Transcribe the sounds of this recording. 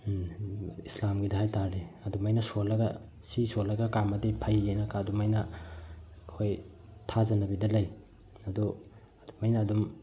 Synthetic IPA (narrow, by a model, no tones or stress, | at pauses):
islamɡidɐhajtaɾiɐdumajnɐsolːɐɡɐ | sisolːɐɡɐkamɐdipʰɐjːajnɐkaːdumɐjnɐ | kʰoj | tʰazɐnɐbidɐlɐj | ɐdu | ɐdumɐjnɐːdum